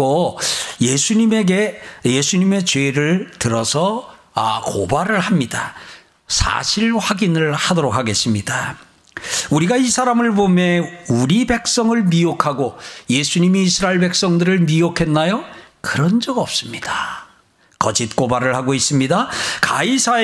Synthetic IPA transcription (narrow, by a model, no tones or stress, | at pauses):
ojesʰuɲime̞ɡe̞je̞sʰuɲime̞t͡ɕweɾɯɭtɯɾʌsʰʌ | a̰kobaɾɯɭhamɲida | sʰa̰ɕʰiɭɸaɡinɯɭhadoɾokʰaɡe̞s͈ɯmɲida | uɾiɡaisʰaɾamɯɭbomjʌuɾibe̞k̚s͈ʌŋɯɭmiokʰaɡojesʰuɲimiːsʰɯɾaeɭbe̞k̚s͈ʌŋdɯɾɯɭmiokʰe̞nːajokɯɾʌnd͡ʑʌɡʌp̚s͈ɯmɲid̥a | kʌd͡ʑit̚k͈obaɾɯɭhaɡois͈ɯmɲidakaisʰae